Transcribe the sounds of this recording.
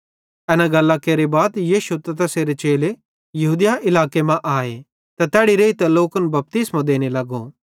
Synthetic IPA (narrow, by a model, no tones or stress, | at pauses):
ɛːnaɡɐlːakeːɾebaːd̪jiːʃut̪ɐt̪ɐseːɾet͡ʃeːle | jɐɦuːd̪jaʔɪlaːkemãʔaːe | t̪at̪ɛːɽiɾeit̪ɛloːkənbɐp̚t̪ɪsmãd̪eːnelɐɡo̰